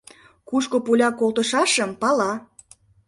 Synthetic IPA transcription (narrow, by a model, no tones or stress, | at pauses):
kuʃkopulʲɑkolˠt̪əʃɑʃəmpɑlɑ